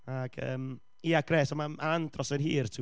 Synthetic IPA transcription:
aɡ̥ə̰ːm | iːaɡ̥rɛːsɔmamaandrɔsənhiːrtʰ

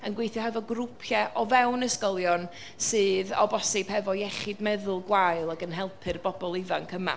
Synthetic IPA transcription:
ənɡwejθjɔɦɛvɔɡrʊpʰjɛʔɔvɛwnəskɔlˠjɔn | sɨːðɔ̰bɔsɪb̥hɛvɔjɛχɪdmɛðʊlˠɡwajlˠaɡənɦɛlˠpʰɨrbɔbɔlˠɪvankʰəma̰

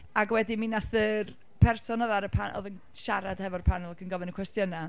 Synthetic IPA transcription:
aɡwɛdiminaθər | pʰɛrsɔnɔðaɾəpʰanɔ̰ðən | ʃaɾad̥hɛvɔrpʰanlˠakʰənɡɔvɪnəkʰwɛstjəna

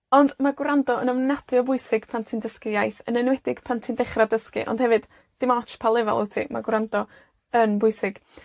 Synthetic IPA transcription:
ɔndmaɡwrandɔənəmnad̥vɨɔbʊɨsɪɡ̥pʰantʰindəskɪjajθənənwɛdɪɡ̥pʰantʰindɛχradəskḭʔɔ̰nd̥hɛvɨd̥ | d̥ɪmɔt͡ʃpʰalˠɛva̰lˠɪ̰wtʰḭma̰ɡwɾandɔ | ənbʊɨsɪɡ̥

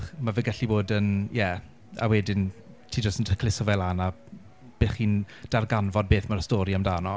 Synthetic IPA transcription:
χmavəɡɛɬiboːdənjɛ | a̰wɛdɪn | tʰiːd͡ʒəstəntʰəkʰlɪsɔvɛlˠana | b̥eːχiːn | d̥arɡanvɔd̚beːθmarəstoːɾiamdaːnɔ

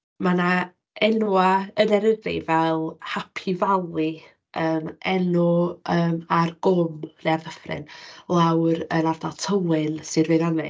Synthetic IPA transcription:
mana | ɛnuaənɛɾədḭvɛlˠhapʰivalˠi | əːmɛnɔəːmarɡʊmrɛarðəfrɪ̰nlˠawɾənardalˠtʰəwɪnsɨrvɨðɔnɪ̰

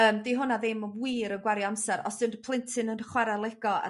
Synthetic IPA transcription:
əːmdiɦʊnaðɪməwiːɾənɡwaɾiamsɛɾɔ̰sd̥ɨndpʰl̥ˠɪntʰɪnənχwɛɾalˠɛɡ̥ɔa̰

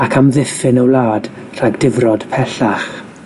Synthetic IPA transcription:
akʰamðɪfɪnəwlˠaːd̥ | r̥aɡdɪvrɔd̥pʰɛɬaχ

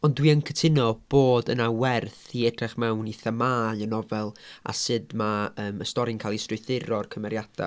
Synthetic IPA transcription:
ɔndwiənkʰətʰɪnɔb̥oːdənawɛrθiɛd̥rɛχmɛwniθəmaːjənɔvɛlˠa̰sɨdmaəːməstɔɾɪnkʰalˠistrʊɨθɪɾɔrkʰəmɛɾjad̥a̰

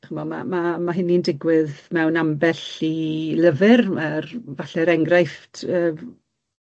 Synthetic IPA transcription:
χəmɔma̰mamaɦɪnindɪɡwɪðmɛwnambɛɬiləvɨrərvaɬɛɾɛŋɡrajftʰəː

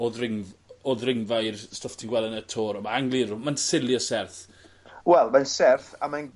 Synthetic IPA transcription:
oðrɪŋvoðrɪŋvajrstɔftʰinɡwɛlˠɛnətʰoːɾəmaaŋlˠirʊmansɪljɔsɛrθ | wɛlˠmansɛrθaman

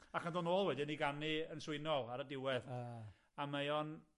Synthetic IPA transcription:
akʰandonoːlˠwɛdɪniɡanɨənsʊɨnɔlˠaɾədɪwɛð | amajɔn

